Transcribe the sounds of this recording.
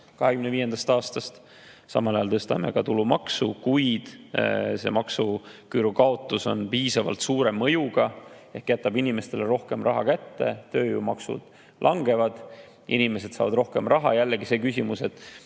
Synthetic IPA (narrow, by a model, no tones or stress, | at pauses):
kɑɦe̞kymneviːje̞nd̪̥ɑst̪ɑːst̪ɑst̪ | sɑ̰mɑlɑjɑlt̪ɤst̪ɑ̰me̞̰ɡ̥ɑt̪ulumɑksukujd̪̥se̞̰mɑksukyɾukɑo̞t̪ːˑuso̞npiːsɑvɑ̰lt̪suːɾe̞mːɤjuɡ̥ɑ | ehkjæt̪ːˑɑbinime̞st̪e̞leɾo̞hke̞mrɑɦɑkæt̪ːet̪ø̞ːjumɑksṵd̪̥ | lʔɑŋɡe̞vɑd̪̥ | ʔinime̞se̞d̪̥sɑ̰ːvɑd̪ro̞hke̞mrɑɦɑ̰jælːeɡise̞ːkysʲimuse̞t̪ːˑ